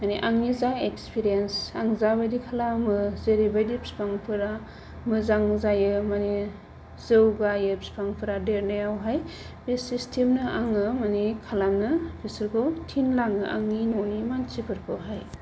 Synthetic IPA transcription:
maniʔaŋnizaŋekspiɾijensaŋzabajdikʰalamɯzeɾibajdipspaŋpʰɯɾa | mɯzaŋzajɯmani | zɯwɡajep̚spʰaŋpʰɯɾadeɾnajawɦaj | bisistʰemnɯaŋɯmanikʰalamnɯpʰisɯɾkʰowtʰinlaŋɯʔa̰ŋinonimant͡ʃipʰɯɾpʰɯɦaj

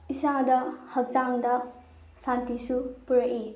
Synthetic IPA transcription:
isadɐhɐk̚t͡ʃaŋdɐ | sant̪isupuɾɐʔi

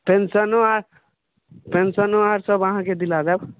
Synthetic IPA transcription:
pensənoaɾ | pensənoaɾsəbaɦãked̪ilad͡ʒab

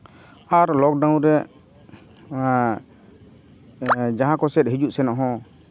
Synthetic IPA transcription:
aɾlɔk̚ɖaw̃ɾɛ | d͡ʒaɦãkɔsɛt̪̚ɦid͡ʒuʔsɛnaʔɦɔ̃

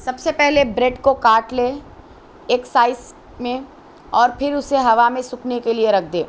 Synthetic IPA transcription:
sɐbsepɛɦlebɾeɖkokaːʈleː | ksaːɪs | mẽ | ɔːɾpʰɪɾʊseɦɐʋamẽsʊknekelieɾɐk̚ʰd̪ḛː

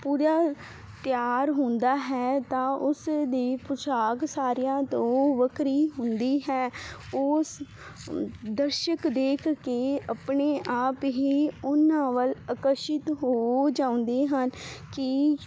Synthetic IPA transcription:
puːɾaː | t̪ɪjaːɾɦʊnd̪aːɦɛːt̪ãːʔʊsd̪iːpʊt͡ʃʰaːksaːɾɪjãːt̪õːʋəkɾiːɦʊnd̪iːɦɛːʊːs | d̪əɾʃəkd̪eːkʰkeːəpneːʔaːpɦiːʊnãːʋələkəɾʃɪt̪ɦoːd͡ʒãːʊ̃nd̪eːɦənkɪ

